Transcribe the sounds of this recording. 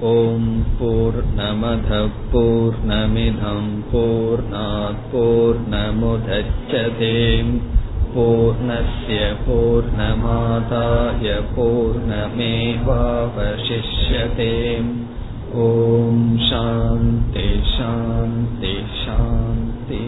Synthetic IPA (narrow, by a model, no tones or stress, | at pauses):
oːmpuːɾɳɐmɐd̪ʱɐpuːɾɳɐminʱɐmpuːɾɳaːt̪̚puːɾɳɐmud̪ʱɐt͡ʃːʃɐt̪eːmpuːɾɳɐsjɐpuːɾɳɐmaːt̪aːjɐpuːɾɳɐmeːʋaːʋɐʃiʂjɐt̪eːm | oːmʃaːnt̪iʃaːnt̪i | ʃaːnt̪i